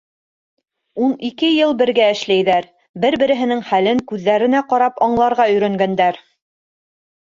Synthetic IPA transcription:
unikɘjɤlˠbɘ̆ɾɡæɘ̆ʃlæjðæɾ | bɘɾbɘ̆ɾɘ̆ɦɘ̆nɘŋχælɘŋkʉðːæɾɘ̆næqɑɾɑpɑɴlˠɑɾʁɑɵ̆jɾæŋɡænd̪æɾ

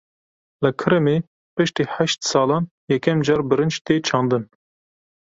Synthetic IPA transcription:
ləkʰɨɾɨmeː | pɨʃt̪iːħæʃt̪sɑːlɑːn | jɛkʲʰɛmd͡ʒɑːɾbɨɾɨnd͡ʒt̪eːt͡ʃʰɑːnd̪ɨn

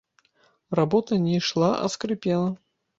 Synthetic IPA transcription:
rabɔt̪ɐnʲɛʂlˠaʔɐ̰skɾɨpʲɛlˠɐ

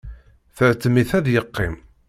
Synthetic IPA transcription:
θəʕt͡sːəmiθæðjəqːɪm

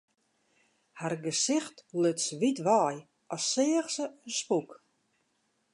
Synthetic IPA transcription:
harɡəsɪxtløtsʋitʋaːj | ɔsːɪːəxsəənspuk

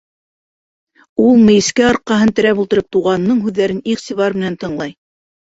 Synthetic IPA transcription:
ulˠmɘ̆jɘ̆skæɑɾqɑɦɤnt̪ɘ̆ɾæpulˠt̪ɤ̆ɾɤp̚t̪uʁɑnːɤɴɦʉðːæɾɘniχt̪iβɑɾmɘ̆nænt̪ɤ̆ɴlˠɑj

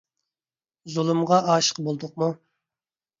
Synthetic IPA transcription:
zulˠɨmʁɑɑːʃə̥qbolˠd̪ʊqmu

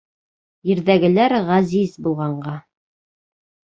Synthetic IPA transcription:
jĭɾðæɡɘ̆læɾʁæzizbulˠʁɑɴɢɑ

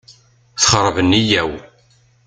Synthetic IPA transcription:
θχəɾˤvənːijæw

